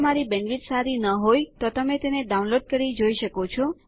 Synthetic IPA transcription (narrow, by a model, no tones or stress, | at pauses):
maɾibɛnʋit̪saɾinəɦojt̪ot̪əmet̪eneɖaunloɖ̚kəɾid͡ʒoiʃəkot͡ʃʰɔ